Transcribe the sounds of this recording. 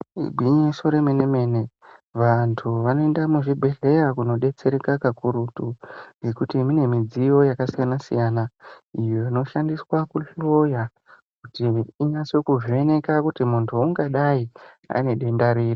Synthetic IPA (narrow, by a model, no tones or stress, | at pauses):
ɡʱwiɲiso̞ɾe̞meneme̞ne | ʋantʰuʋano̞e̞ndamuʐibʱeɮe̞jakuno̞ɗe̞t͡se̞ɾekakakuɾutuje̞kutiːmine̞mid͡zijo̞jakasijanasḭjaːnaijo̞ino̞ʃandiswakuɬo̞ja | kutiːnasokuʐie̞ne̞kakutimuntʰuːŋɡaɗai | a̰ne̞ɗe̞ndaɾiːri